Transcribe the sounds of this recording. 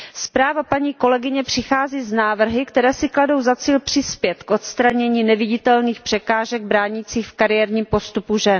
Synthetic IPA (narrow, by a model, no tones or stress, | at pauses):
spɾaːvapaɲiːko̞lɛɡɪɲɛpr̥ɪxaːziːznaːvr̩ɦɪkt̪ɛɾɛːsɪklado̞wzat͡siːlpr̝̥ɪspjɛt̪kʔo̞t̪st̪ɾaɲɛɲiːnɛvɪɟɪt̪ɛlniːxpr̝̥ɛkaːʒɛɡ̚bɾaːɲit͡siːxfkaɾɪjɛɾɲiːmpo̞st̪upuʒɛn